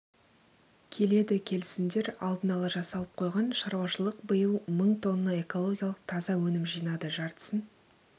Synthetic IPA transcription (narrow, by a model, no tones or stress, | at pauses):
kʲʰe̞le̞d̪ɪkʲʰe̞lɪsɪnd̪e̞ɾɑlˠd̪ənɑlˠɑʒɑsɑlˠəp̚qʰo̞jʁɑnʃɑɾwɑʃəlˠəqbəjəlˠməɴt̪ʰo̞nəːɑe̞ko̞lˠo̞ɡʲijɑlˠəq̚t̪ʰɑzɑwɵnɪmʒijnɑd̪əʒɑɾt̪ə̥sən